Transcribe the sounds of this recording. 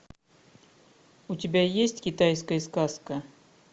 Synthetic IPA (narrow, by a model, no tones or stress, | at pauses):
ʊtʲɪbʲajesʲtʲkʲɪt̪ajskəjəskaskə